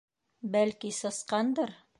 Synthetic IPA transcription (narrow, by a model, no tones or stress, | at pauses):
bælkisɤ̆sqɑnd̪ɤɾ